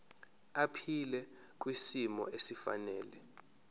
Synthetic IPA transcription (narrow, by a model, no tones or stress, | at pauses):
apʰilɛ | k̬ʼwisimɔ̰esifa̰nɛːlɛ